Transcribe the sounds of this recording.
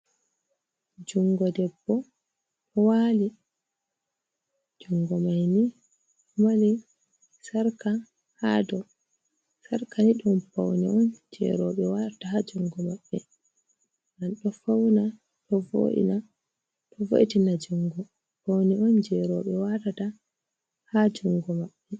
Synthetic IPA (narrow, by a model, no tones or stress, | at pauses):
d͡ʒuŋɡɔdɛbːɔ | ɗɔwaːli | d͡ʒuŋɡɔmajni | mali | saɾka | ha̰dɔ | saɾkaniɗɔmpa̰wnḭɔnd͡ʒɛ̰ɾɔɓɛwatatahad͡ʒuŋɡɔmaɓːɛ | nanɗɔfawna | ɗɔvo̰ʔḭna | tɔvo̰ʔitinad͡ʒuŋɡɔ | pawniɔnd͡ʒɛɾɔɓɛwatata | had͡ʒuŋɡɔmaɓːɛ